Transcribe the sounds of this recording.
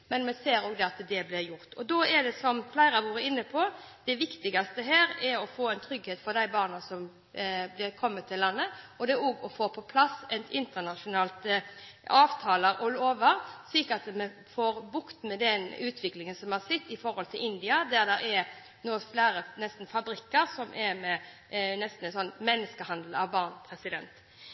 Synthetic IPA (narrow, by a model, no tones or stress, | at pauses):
mɛnmɛseːɾoːɡd̪ɛɑt̪d̪ɛblɪɾjʊʁt̪ʰɔd̪oɛd̪ɛsɔmflæɪɾɑʋuːɾəɪnːəpʰɔd̪̥ɛʋɪkt̪ɪɡɑst̪əɦæːɾɛɾɔfoːɛɪnt̪ʰɾʏɡheːt̪fɔɾd̪æɪbɑːʁnɑsɔm | blɪkʰɔmːət̪ʰːɪlːɑnːəɔd̪ɛoːɡɔfoːpʰɔpʰlɑsɛnt̪ɪnt̪ənɑʂʊnɑːlt̪ | ɑːʋt̪ʰɑːləɾɔloːʋəɾsliːkəɑt̪mɛ | foːɾbʊkt̪mɛd̪ɛnʉːt̪ʰʋɪklɪŋənsɔmhɑsɪt̪ːɪfɔɾhɔlt̪ʰɪlʔɪnd̪ɪɑd̪æɾd̪ɛɾɛɾ | noːflæːɾənɛst̪n̩fɑbɾɪkːəɾsɔmʔɛɾmɛ | nɛst̪n̩ɛnsɔnːmɛnːəskəhɑnd̪l̩ɑʋbɑːʁnpʰɾɛsɪd̪ɛ̰nt̪